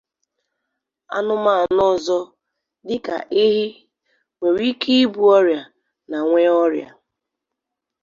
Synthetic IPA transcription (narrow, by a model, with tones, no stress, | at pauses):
a̰˦nʊ˦ma˦˨a˨nɔ˦˨zɔ˦ | dɪ˦ka̰˨ʔe˦ɦi˦ | ŋʷe˨ɾi˦kʰi˦i˦bu˨ɔ˦ɾja˨ | na˨ŋʷe˦ɔ˦ɾja̰˨